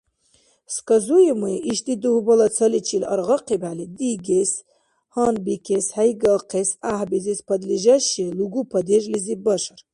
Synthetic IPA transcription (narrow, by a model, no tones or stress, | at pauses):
skɐzujimuiʔiʃt̪id̪uhbɐlɐt͡sʰɐlit͡ʃʰilɐ̰ɾʁɑqibalid̪iɡes | hɑnbikʰeshajɡɐlqʰesahbizispʰɐd̪liʒɐʃiluɡupʰɐd̪eʒlizibɐʃɐɾ